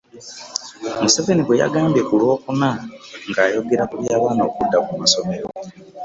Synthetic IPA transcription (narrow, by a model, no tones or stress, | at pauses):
museve̞niβwe̞ja̰ɡaːmbje̞kulwo̞ːkunaŋɡaːjo̞ɡe̞ɾakuβjaːβaːnoːkudːakumaso̞me̞ɾo̞